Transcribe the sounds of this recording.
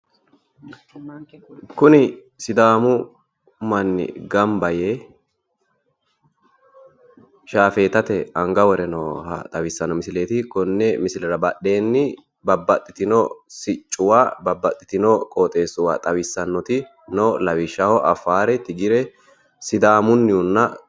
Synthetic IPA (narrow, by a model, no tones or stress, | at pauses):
kʊnɪ | sɪd̪aːmʊ | mɐnːɪ̰ɡɐmbɐjeː | ʃaːfe̞ːt̪ɐt̪ɛɐŋɡɐwɔɾɛnɔːhɐ̰t̪ʼɐwɪsːɐnːɔmɪsɪleːt̪ɪkɔnːɛmɪsɪlɛɾɐbɐɗe̞ːnːɪ | bɐbːɐt̪ʼːɪt̪ɪnɔsɪt͡ʃʼːʊwaːbɐbːɐt̪ʼːɪt̪ɪnɔkʼoːt̪ʼe̞ːsʊwa̰ːt̪ʼɐwɪsːɐnːɔt̪ɪ | noːlɐwɪʃːɐhɔʔɐfːaːɾɛt̪ɪɡɪɾɛ | sɪd̪aːmʊnːɪʊnːɐ